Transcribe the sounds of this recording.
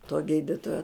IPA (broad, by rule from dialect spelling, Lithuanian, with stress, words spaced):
toː ˈɡʲiːdʲɪtoːjoː